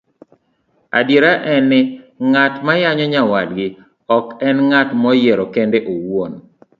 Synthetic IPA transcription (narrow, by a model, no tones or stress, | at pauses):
a̰djeɾaʔɛnːɪŋatmajaɲɔɲawadɡɪ | ɔkɛnŋatmɔjeɾɔkɛndeʔowon